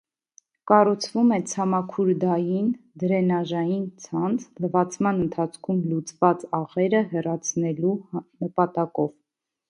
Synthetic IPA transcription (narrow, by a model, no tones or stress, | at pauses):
kɑrut͡sʰvumɛt͡sʰɑmɑkʰuɾd̪ɑjind̪əɾɛnɑʒɑjint͡sʰɑnt͡sʰləvɑt͡sʰmɑnənt̪ʰɑt͡sʰkʰumlut͡svɑt͡sɑʁɛɾəɦɛrɑt͡sʰnɛlunəpɑt̪ɑkɔv